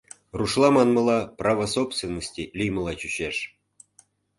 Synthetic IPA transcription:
ruʂlˠɑmɑnmɤ̆lˠɑprɑvəsopst̪vʲenːosʲtʲilʲijmɤlˠɑt͡ɕyɕeʂ

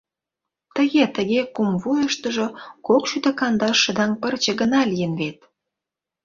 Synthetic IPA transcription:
t̪əɣet̪əɣekumvujəʃt̪əʒokokʃyt̪əkɑnd̪ɑʃːə̆d̪ɑŋpərt͡ɕə̆ɣənɑlijənβet̪̚

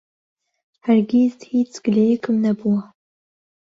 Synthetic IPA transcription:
hɐɾɡizhiːt͡sɡ̥ɨlejɛkʰɨmnɐbuwɐ

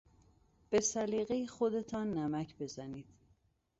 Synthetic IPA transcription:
b̥e̞sæliːɣejexo̞d̪e̞t̪ʰɒːnːæmæcʰbe̞zæniːd̪̥

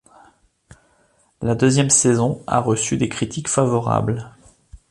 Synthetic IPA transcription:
lad̪øzjɛmsezɔ̃a̰ʁəsyd̪ekχit̪ʰikfavɔʁa̰bl

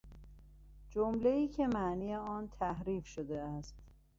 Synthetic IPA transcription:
d͡ʒomleiːcʰe̞mæʔniːjeɒːnt̪ʰæhɾiːfʃod̪e̞æst̪

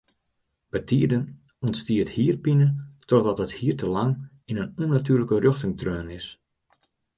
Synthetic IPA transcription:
b̥ətʰiədən | ɔntstiəthiːrpinətʰɔdɔtəthiːərtəlaŋ | inənunatyːrləkərøxtɪŋtrøːnɪs

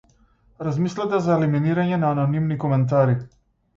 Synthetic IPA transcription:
ɾazmislat̪azaeliminiɾaɲɛnaːnɔnimnikɔmɛnt̪̬aɾi

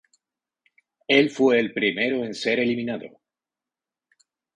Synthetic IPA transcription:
e̞lfwe̞ːlpɾime̞ɾo̞e̞nse̞ɾe̞limĩnaðo̞̰

